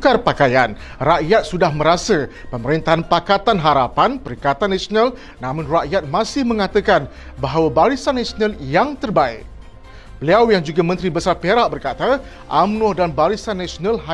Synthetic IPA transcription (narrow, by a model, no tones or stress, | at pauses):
karpakajan | raʔjat̪̚sudahmə̃ɾasəpəməɾint̪aɦanpakat̪anɦaɾapanpəɾikat̪anːãsionãl | nãmʊ̃nraʔjat̪̚mãsɪhmə̃ŋat̪əkan | baɦawabaɾisanːasonãljaŋt̪ərbaɪ̰k̚ | bəliawjaŋd͡ʒuɡamə̃nt̪ɾibəsarpeɾaʔbərkat̪a | ʔamnɔhdanbaɾisanːasonãlɦa